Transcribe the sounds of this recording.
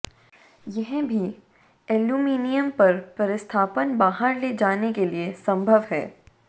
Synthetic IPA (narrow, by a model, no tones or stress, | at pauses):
jɛɦbʱi | ɛːljuːmiːnijəmpɐɾpɾɐɾɪst̪ʰaːpənbaːɦəɾleːd͡ʒaːnekeliesɐ̃mbʱəʋɦɛ̰ː